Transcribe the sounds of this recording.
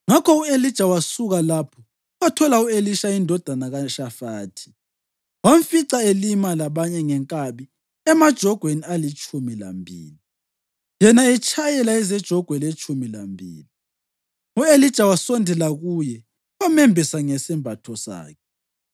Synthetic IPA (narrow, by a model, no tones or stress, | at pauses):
ŋakʰɔuelid̥ʒ̥ʱawasuɣalapʰɔ | watʰɔlaueliʃaindʱɔd̥ʱanaɣaʃafaːtʰi̥ | waɱfiǀaelimalaβaɲɛŋɛŋkʼaβi | ɛmad̥ʒ̥ʱɔɡ̥ʱwenialit͡ʃʼʰumila̰mbʱḭːli | jɛnaɛt͡ʃʼʰajɛlaɛzɛd̥ʒ̥ʱɔɡ̥ʱwɛlet͡ʃʰʼumila̰mbʱḭːli | uelid̥ʒ̥ʱawasɔndʱɛlaɣuːjɛ | wamɛmbʱisaŋɛsɛmbʱatʰɔsa̰ːkʰɛ